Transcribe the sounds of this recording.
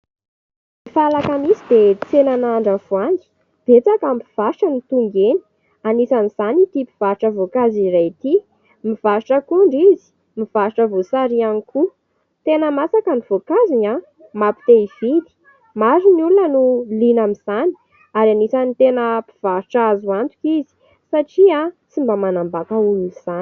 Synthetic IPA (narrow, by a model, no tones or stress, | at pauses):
mifalakamizid̪et͡senanaɳɖ͡ʐavuaŋɡi̥ | b̥et͡sakampiv̥aɾiʈ͡ʂənit̪uŋɡeni̥ | anisaniz̥anit̪ipi̥v̥aɾiʈ͡ʂəvokaziɾajt̪i | miv̥aɾiʈ͡ʂəkuɳɖ͡ʐizi̥ | miv̥aɾiʈ͡ʂəvosaɾianiku | t̪enəmasakaniv̥okaziɲa | mapi̥t̪eivid̪i̥ | maɾiniulunənulinamiz̥ani̥ | aɾanisanit̪enəpi̥v̥aɾiʈ͡ʂazuant̪u̥kizi̥ | saʈ͡ʂiat͡simbamanambakəuluniz̥an